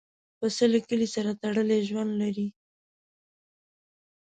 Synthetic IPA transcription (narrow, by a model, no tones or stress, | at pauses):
pəsəlekəlisaɾat̪aɽəleʒwand̪laɾi